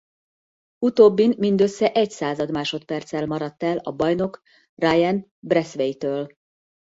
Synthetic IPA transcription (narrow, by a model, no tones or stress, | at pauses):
ut̪oːbːinmind̪ø̞sːɛʔɛɟsaːzɒd̪maːʃo̞t̪pɛrt̪sɛlmɒɾɒt̪ːɛlɒbɒjno̞k | raːjɛn | brɛsʋejt̪øːl